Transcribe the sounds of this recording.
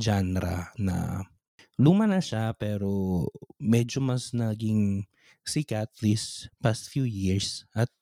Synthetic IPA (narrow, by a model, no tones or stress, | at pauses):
d͡ʒanɾɐ̰nɐ̰ | lumɐnɐʃapɛːɾomɛd͡ʒomɐsnɐɡɪŋ | sikat̪lispast̪̚fjujiɹsʔɐt̪̚